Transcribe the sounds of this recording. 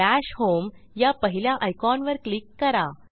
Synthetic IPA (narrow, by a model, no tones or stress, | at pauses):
æɕhomjapəɦiljaʔajkɔnʋəɾklikːəɾa